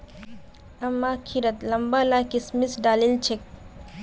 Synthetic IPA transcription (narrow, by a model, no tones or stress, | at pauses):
ɐmːakʰiɾət̪lɐmbalakismisɖaːlilt͡ʃʰek̚